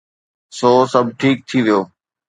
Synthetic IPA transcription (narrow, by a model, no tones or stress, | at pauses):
soːsɐbʱʈʰiːk̚t̪ʰiʋijoː